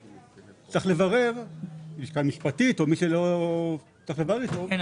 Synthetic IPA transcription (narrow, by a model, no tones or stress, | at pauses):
t͡saχle̞vaʁe̞vbiʃkamiʃpat̪it̪omiʃelo | t͡saχlevaʁeito